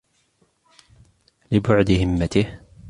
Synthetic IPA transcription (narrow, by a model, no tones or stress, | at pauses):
lɪbʊʕd̪ɪhɪmːat̪ɪh